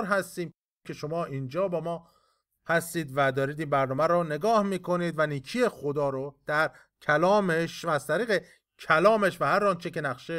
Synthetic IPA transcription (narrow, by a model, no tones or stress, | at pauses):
ɾɦæst̪iːm | kʰeʃo̞mɒːʔiːnd͡ʒɒːbɒːmɒː | hæst̪iːd̪væd̪ɒːɾiːd̪iːnbæɾnɒːmæɾɔne̞ɡɒːhmiːkʰo̞niːd̪væniːcʰie̞xod̪ɒːɾod̪̥æɾ | cʰælɒːmeʃːz̥t̪ʰæɾiːɣe | cʰælɒːme̞ʃvæhæɾɒːnt͡ʃʰece̞næxʃe